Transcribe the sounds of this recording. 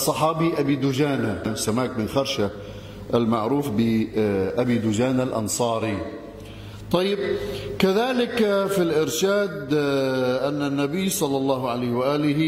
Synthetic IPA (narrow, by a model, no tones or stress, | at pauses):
sˤɑħɑːbiʔabiːd̪ʊd͡ʒaːnasamaːkmɪnxɑɾˤʃa | ʔalmaʕɾuːfbɪʔabiːd̪ʊd͡ʒaːnalʔɑ̰nsˤɑːɾi | t̪ˤɑjːɪb̚kaðaːlɪkfilʔɪɾʃaːd̪ | ʔanːanːabijːsˤɑlːɑlˤːɑːhʕalajhwaʔaːlɪh